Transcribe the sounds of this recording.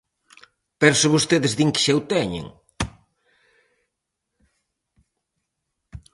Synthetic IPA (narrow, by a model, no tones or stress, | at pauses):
pɛɾsʊβost̪eðɪzðiŋkɪ̥ʃɛwt̪ɛɲḛŋ